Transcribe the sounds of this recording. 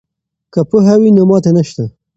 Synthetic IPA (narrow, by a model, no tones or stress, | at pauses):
kəpuɦawinomɑt̪enaʃt̪a